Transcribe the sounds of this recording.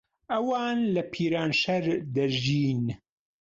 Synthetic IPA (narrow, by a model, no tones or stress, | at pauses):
ʔɐwaːnlɐpʰiːɾaːnʃɐɾd̪ɐʒiːn